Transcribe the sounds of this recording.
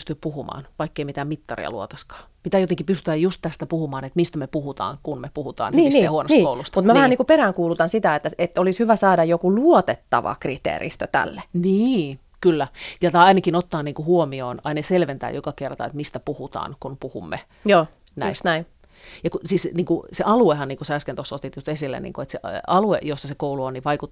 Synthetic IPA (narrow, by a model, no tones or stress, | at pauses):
st̪yppuhumɑ̰ːnʋɑikːeimit̪æmit̪ːɑrḭɑ̰luot̪ɑskɑ̥ː | pit̪æːjot̪eŋkipyst̪yæjjust̪t̪æst̪æpuhumɑːnet̪mist̪æmepuhut̪ɑ̰ːŋkunmepuhut̪ɑ̰ːniːisːihuonosnt̪ːkoulust̪ɑmut̪mæʋæhæniːkuperæːŋkuːlut̪ɑnsit̪æet̪ːæet̪ːolishyʋæsɑːdɑjokuluot̪et̪ːɑ̰ʋɑ̰krit̪ḛːrḭst̪øt̪æ̰lːeniː | kylːæjɑt̪ɑɑinɑkinot̪ːɑːniːŋkuhuomioːnɑinɑjɑselʋent̪æ̰ːjokɑkert̪ɑ̰ḛt̪mist̪æpuhut̪ɑ̰ːnkunpuhumːe | joː | næist̪næin | jɑkusiːsniːŋkuseʔɑluehɑnniːŋkusæskent̪osːot̪it̪just̪esilːḛnḭːŋkuet̪seʔɑluejosːɑsekouluonniʋʋɑikut̪